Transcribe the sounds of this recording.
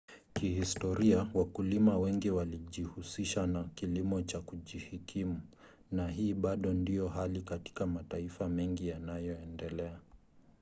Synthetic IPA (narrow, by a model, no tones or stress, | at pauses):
kihistɔɾiawakulimawɛŋɡiwaliʄihusiʃanakilimɔt͡ʃakuʄihikʰimu | nahiːɓaɗɔndijɔhalikati̥kamataifamɛŋɡijanajɔɛndɛlɛa